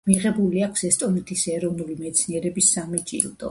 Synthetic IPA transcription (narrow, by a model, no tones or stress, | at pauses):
miʁɛbuliakʰsɛst̪ʼɔnɛt̪ʰisɛɾɔvnulimɛt̪sʰniɛɾɛbisːamit͡ʃʼḭlˠd̪ʼɔ̰